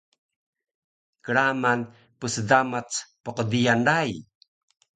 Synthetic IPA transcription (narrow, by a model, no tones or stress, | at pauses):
kəɾaman | pəsədamat͡spoqədijanɾaj